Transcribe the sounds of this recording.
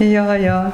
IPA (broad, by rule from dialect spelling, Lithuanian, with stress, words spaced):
ˈjoː ˈjoː